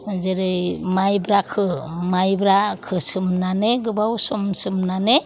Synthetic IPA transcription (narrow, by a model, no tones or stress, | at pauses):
zeɾɯmajbɾakʰɯmajbɾakʰɯsɯmnaneɡɯbawsɔmsɯmnane